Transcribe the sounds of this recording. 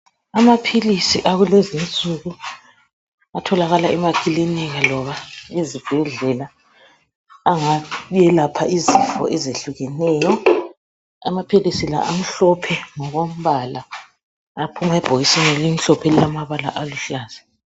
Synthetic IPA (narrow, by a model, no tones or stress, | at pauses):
amapʰilisiʔaɣulezint͡sʼuɣu | atʰɔlaɣalaʔɛmakʼiliniɣalɔβaizib̥ʱɛɮɛla | ŋaujɛlapʰaizifɔ̰ʔɛzeɬuɣɛnɛːjɔ | amapʰilisila̰ʔam̩ɬɔpʰɛŋɔɣom̩βalaː | pʰumaɛb̥ʱoɣisinɛlim̩ɬɔpʰɛlilamaβala̰ʔaluɬaːz̥a